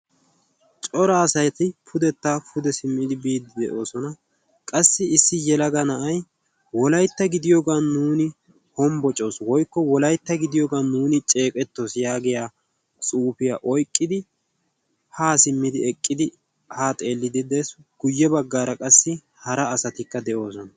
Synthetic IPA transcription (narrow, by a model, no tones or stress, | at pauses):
t͡ʃʼɔɾɐːsɐjt̪ɪpʰʊd̪ɛt̪ːaːpʰʊd̪ɛsɪmːɪd̪ɪbiːd̪ːɪd̪ɛʔo̞ːsɔnɐ | kʼɐsːɪɪsːɪjɛlɐɡɐnɐʔɐj | wɔlɐjt̪ːɐɡɪd̪ɪjoːɡaːnuːnɪ | hɔmbɔt͡ʃʼo̞ːswɔjkːɔwɔlɐjt̪ːɐɡɪd̪ɪjoːɡaːnuːnɪt͡ʃʼe̞ːkʼɛt̪ːo̞sjaːɡɛjaː | t͡sʼuːpɪjaːʔɔjkʼːɪd̪ɪ | haːsɪmːɪd̪ɪɛkʼːɪd̪ɪ | haːt̪ʼe̞ːlːɪd̪ɪd̪ɛsɡ̥ʊjːɛbɐɡːaːɾɐkʼɐsːɪ | hɐɾɐːsɐt̪ɪkːɐd̪ɛʔo̞ːs̬ɔnɐ